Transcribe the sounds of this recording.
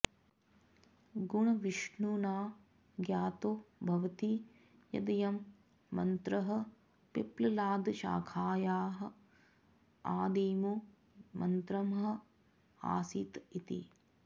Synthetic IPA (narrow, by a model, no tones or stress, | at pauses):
ɡuɳɐʋiʃɳunaː | ɡjaːt̪oːbʱɐʋɐt̪i | jɐ̰d̪ɐjɐmː | ɐ̰nt̪ɾɐɦɐ̆ | peplɐlaːd̪ʃa̰ːkʰaːjaːɦɐ̆ | aːd̪iːmu | mɐnt̪ɾɐmɦɐ̆ | a̰ːsit̪it̪ḭ